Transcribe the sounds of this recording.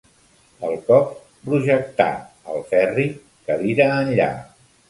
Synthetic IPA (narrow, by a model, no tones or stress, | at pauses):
əlˠkɔp | pɾuʒək̚t̪a̰ | əlˠfɛri | kəβiɾəːnʎa̰